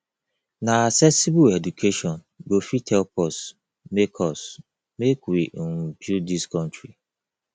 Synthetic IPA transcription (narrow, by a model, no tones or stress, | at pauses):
naasɛsibuɛdukʰeʃɔn | ɡofitʰɛlpɔs | mekʰɔs | mekwiŋd͡ʒudiskɔ̃ntɾi